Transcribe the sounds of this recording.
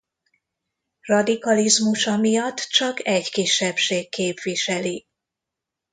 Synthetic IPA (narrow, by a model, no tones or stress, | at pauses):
rɒd̪ikɒlizmuʃɒmijɒt̪ːt͡ʃɒkɛɟkiʃːɛpʃeːkːeːpʋiʃɛli